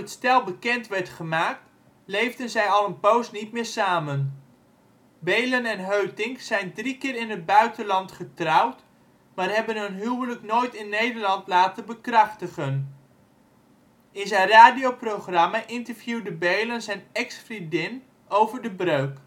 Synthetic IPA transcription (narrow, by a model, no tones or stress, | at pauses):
ətstɛlˠbəkɛntʋɛɹtχəmaːk̚t | lejvdənzɛjɑlˠənpowstnitmɪːɹsaːmən | bejlənɛnɦøɥtɪŋkzɛjndrikɪːɾɪnɦəd̚bœɥtənlɑntχətrɑwt | maːrɦɛbənɦɵnɦywwələknojtɪnːejdəɹlɑntlaːtənbəkrɑχtəχən | ɪnzɛjnraːdijowproχrɑmaʔɪntəɹvjuwdəbejlənzɛjnɛksfridɪn | owvəɹdəbrøɥk